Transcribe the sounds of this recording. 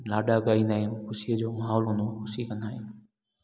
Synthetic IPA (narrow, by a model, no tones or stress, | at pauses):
naːɗaɡaːĩnd̪aːɦɪnxʊsiəd͡ʑoːmaːɦɔːlɦʊnd̪oxʊsikɐ̃nd̪aːɦɪn